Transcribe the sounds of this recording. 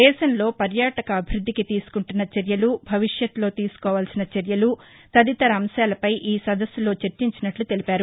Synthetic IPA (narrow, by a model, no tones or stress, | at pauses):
ɛːʃɐnlo̞ːpɐɾjaːʈɐkɐːbʱiɾud̪ʱːikit̪iːsu̥kuɳʈunːɐt͡ʃɐɾjɐlubʱɐʋiʂjɐt̪lo̞ːt̪iːsu̥kɔːʋaːlsinɐt͡ʃɐɾjɐlu | t̪ɐd̪it̪ɐɾɐːmsjaːlɐpɐjʔiːsɐd̪ɐsːulo̞ːt͡ʃeɾt͡ʃiɲt͡ʃinɐʈlut̪e̞lipaːɾu